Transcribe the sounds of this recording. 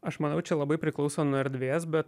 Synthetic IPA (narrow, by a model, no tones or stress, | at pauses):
ɐʃmɐnɐʊt͡ʃʲɛlˠɐbɐɪpʲɾʲɪklˠɒʊsoːnʊɛɾʲd̪ʲʋʲeːs̬bʲɛt̪